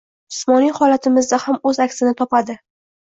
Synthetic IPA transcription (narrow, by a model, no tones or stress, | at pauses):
ɪsmɒnijhɒlat̪ʰɪmɪzd̪ahamɵzakʲsɪnɪt̪ʰɒpad̪ɪ